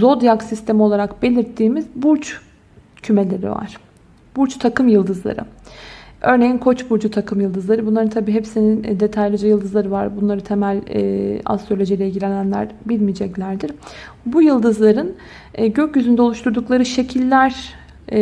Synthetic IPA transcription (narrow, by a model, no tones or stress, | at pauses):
zo̞d̪jaksist̪ʰe̞miolˠaɾakbe̞lʲiɾt̪ʰːiːmizbuɾt͡ʃ | cʰyme̞lʲe̞ɾḭva̰ɾ̥ | b̥uɾt͡ʃt̪ʰakɯmjɯlˠd̪ɯzlˠa̰ɾɯ̰ | ʔø̞ɾnejinkʰo̞t͡ʃbuɾd͡ʒut̪ʰakʰɯmjɯlˠd̪ɯzlˠaɾɯbunˠaɾɯnt̪ʰabiːɦepsinind̪e̞t̪ʰajlʲˠid͡ʒɛjɯlˠd̪ɯzˠaɾɯvaɾbunlˠaɾɯt̪ʰe̞mælʲɛ̰ːa̰st̪ɾolʲo̞d͡ʒijlʲɛilʲɟilʲe̞nænlʲæ̰ɾbilʲmijd͡ʒɛclʲæɾd̪iɾ | bujɯlˠd̪ɯzlˠaɾɯn | ɟøcjyzynd̪ɛolˠuʃt̪ʰuɾd̪uklˠaɾɯʃe̞cʰilʲːæɾ